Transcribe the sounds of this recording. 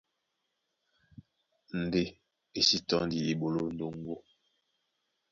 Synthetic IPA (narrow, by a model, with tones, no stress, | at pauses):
n̩˨de˦ | e˨si˦tɔ˦ndi˨i˨ɓo˨lo˦n̩˦do˦ŋ˦ɡo˦